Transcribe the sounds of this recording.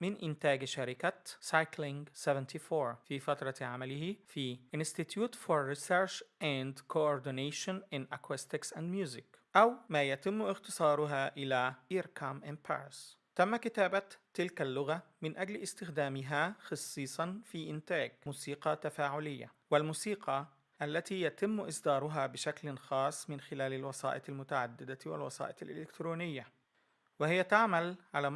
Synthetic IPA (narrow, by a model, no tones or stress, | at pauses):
mɪnʔɪnt̪æːɡʃaɾɪkæsɑjklɪŋɡsevɛnt̪ʰiːfoːɾfiːfæt̪ɾˤɑʕamælɪhifiʔɪnst̪it̪juːt̪foɾˤːisɛɾʃʔænd̪kʰoʔoɾd̪ɪneːʃonʔɪnʔækwest̪ɪksʔænd̪mjuːzɪkʔæwmæːjæt̪ɪmːʔɪxt̪ɨsˤɑːɾˤʊɦæːʔɪlæːʔiɾkʰɑmʔɪnpʰa̰ɾst̪æmːækɪt̪æːbæt̪ːɪlkalːʊɣamɪnʔaɡlʔɪst̪ɪxd̪aːmɪɦaxɑsˤːiːsˤɑnfiːʔɪnt̪aːɡmuːsiːqɑt̪afaːʕʊlɪjːa̰ | wɪlmuːsiːqʰɑ | ʔalːat̪ijat̪ɪmːʔɪsd̪ɑːɾˤʊɦaːbɪʃaklnxɑːsˤːmɪnxɪlæːlalwɑsɑ̰ːʔɪt̪almʊt̪aʕa̰d̪ːɪd̪awɪ̰lwɑ̰sˤɑ̰ːʔɪ̰t̪alʔɪ̰lɪkt̪ɾuːnɪjːa | wɪhɪjːat̪aʕmalʕalaː